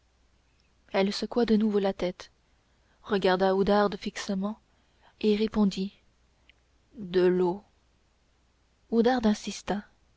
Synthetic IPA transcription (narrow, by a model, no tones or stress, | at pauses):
ɛlsəkwad̪ənuvolat̪ɛt̪ | ʁəɡaʁd̪aud̪aʁd̪fiksəmɑ̃ | eʁepɔ̃d̪i | d̪əlo | od̪aʁd̪ɛ̃sist̪a